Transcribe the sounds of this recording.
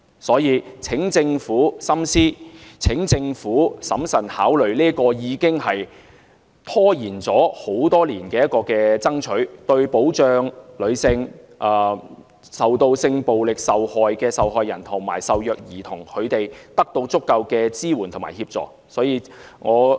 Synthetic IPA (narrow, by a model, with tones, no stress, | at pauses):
sɔː˨˥jiː˧t͡sʰɪ˨˥ŋt͡sɪ˧ŋfuː˨˥sɐ˥msiː˥t͡sʰɪ˨˥ŋt͡sɪ˧ŋfuː˨˥sɐ˨˥msɐ˨˩nhaː˨˥wlɵ˨˩ɥliː˥kɔː˧jiː˨˧kɪ˥ŋhɐ˨j | t̪ʰɔː˥jiː˨˩nt͡sɔː˨˥ho˨˥wt̪ɔː˥liː˨˩nkɛː˧jɐ˥t̚kɔː˧kɛː˧t͡sɐ˥ŋt͡ʃʰɵ˨˥ɥt̪ɵ˧ɥpo˨˥wt͡ʃœː˨˧ŋlɵ˨˧ɥsɪ˧ŋʔː | sɐ˨wt̪o˧wsɪ˧ŋpo˨wlɪ˨k̚sɐ˨whɔː˨jkɛː˧sɐ˨wɦɔː˨jːɐ̰˨˩nt̪ʰʊ˨˩ŋma̰ː˨˩jsɐ˨wjœː˨k̚jiː˨˩t̪ʰʊ˨˩ŋkʰɵ˨˧ɥt̪e˨jt̪ɐ˥k̚t̪o˧wt͡sʊ˥kːɐ˧wkɛː˧t͡siː˥wuː˨˩nt̪ʰʊ˨˩ma̰ː˨˩jhiː˧p̚t͡sɔ̰ː˨˩k | sɔː˨˥jiː˧ | ŋɔː˨˧